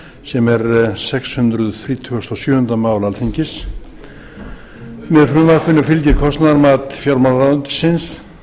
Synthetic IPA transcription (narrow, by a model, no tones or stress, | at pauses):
sɛmɛɾsɛkshʏnt̪ɾʏðθɾiːt̪ʰʏɔst̪ɔsjœːhʏnt̪amaːwlalθʰiɲcɪs | mɛðfɾʏmvaɾpʰʏnːʏfɪlcɪɾkʰɔst̪naɾmaːt̪fjawɾmawlɾant̪ɪ̥sɪns